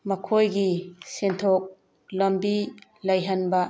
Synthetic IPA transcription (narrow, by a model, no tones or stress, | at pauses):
mɐkʰojɡisentʰok̚ | lombilɐjɦɐnbɐ